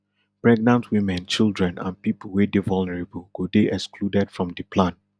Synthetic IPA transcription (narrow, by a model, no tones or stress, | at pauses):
b̥ɹɛɡ̚nãntʰwĩmɛ̃nt͡ʃildɹɛ̃nã̰npipl̩ˠwedevɔlnɛɹebəlˠɡ̥odeʔɛkskludɛd̥fɹɔ̃mdipʰlãn